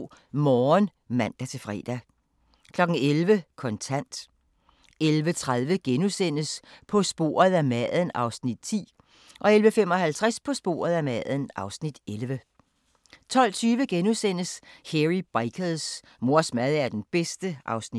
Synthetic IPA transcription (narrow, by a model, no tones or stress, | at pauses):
mɒːn | mæn̰d̥æt͡sʰe̝fʁɛ̰ːd̥æ | kʰlɒ̽ɡ̥ŋ̩elʋəkʰɒ̽nt͡sʰæn̰d̥ | elʋət͡sʰʁaðˠʋəɡ̥enusen̰əspʰɒ̽sb̥o̝̰ːɐð̩ˠæmæðˠən̩ʔɑ̈ʊsnid̥̚t͡sʰḭː | ʔɒ̽elʋəfem̰ɒ̽hælt͡sʰʁaspʰɒ̽sb̥o̝̰ːɐð̞ˠæmæðˠən̩ʔɑ̈ʊsnid̥elʋə | t͡sʰɒ̽l̰t͡sʰyːʋəɡ̥enusen̰əsheʁib̥aɪkʰəðˠs | mo̝ɐ̰smæð̞ˠæɐd̥enb̥esd̥əʔɑ̈ʊsni